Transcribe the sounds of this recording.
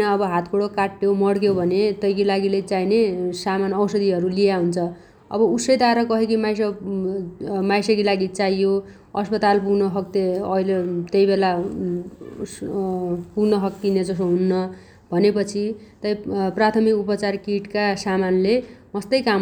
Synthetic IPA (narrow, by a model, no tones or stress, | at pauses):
nʌʌbʌɦat̪ʰkoɽokaʈːjomʌɽkjobʱʌnet̪ʌjkilaɡilet͡sajnesamanʌwsʌd̪iɦʌɾulijaɦunt͡sʰʌ | ʌ̰bʌusʌjd̪aɾʌkʌɦekimajs̬ʌ | majsʌkilaɡit͡sajjo | ʌspʌt̪alpunʌɦʌk̚t̪eʌilet̪ʌjbela | punʌɦʌk̚t̪ined͡zʌsoɦunːʌ | bʱʌnepʌt͡sʰit̪ʌjprat̪ʰʌmikupʌt͡sarkiʈkasamanlemʌst̪ʌjkam